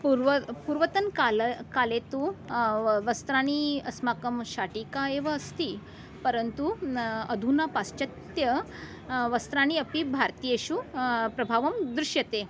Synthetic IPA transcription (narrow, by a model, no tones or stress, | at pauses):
puɾʋpuɾʋət̪ənkalkalet̪u | ʋəst̪ɾaɽ̃iəsmakəmɕaʈikaeʋəəst̪i | pəɾənt̪uəd̪ʱunapast͡ɕɐt̪jə | ʋəst̪ɾaɽ̃iəpibʱaɾt̪ijeɕupɾɐbʱaʋəmd̪ɾuɕjət̪e